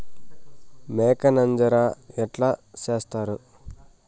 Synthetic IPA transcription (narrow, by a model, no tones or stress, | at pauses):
meːkɐnɐnd͡ʒɐɾaːɛʈlaːt͡ʃeːst̪aːɾu